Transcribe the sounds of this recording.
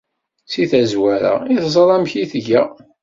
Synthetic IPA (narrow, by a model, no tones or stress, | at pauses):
siθæzwæɾæ̰iθzˤɾˤæmçiθʝæ